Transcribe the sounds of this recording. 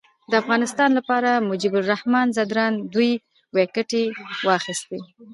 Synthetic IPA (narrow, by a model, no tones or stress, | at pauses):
d̪əafɣɑnɪst̪ɑnlapɑɾamʊd͡ʒibʊlrɾahmɑnzad̪ɾɑnd̪uj | wekəʈewɑxist̪i